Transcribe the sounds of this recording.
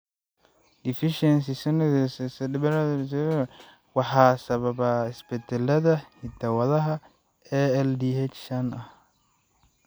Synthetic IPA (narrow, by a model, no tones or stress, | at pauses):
difiʃɛns̬isɪnʊ̃ɪsɪsɛdɪbɛɾadsɪ | wahaːsababaspɛtʰɛlɛdahitʰawalaɦa | ɛɛldihɛt͡ʃt͡ʃana